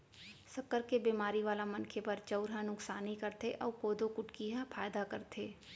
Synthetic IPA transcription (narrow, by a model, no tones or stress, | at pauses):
sɐkːəɾkebeːmaːɾiʋaːlamɐnkʰepɐɾt͡ʃəʊɾɦãnʊksaːnikɐɾt̪eʔɔːɾkoːd̪okʊʈkiɦãpʰaːjd̪akɐɾt̪ʰeː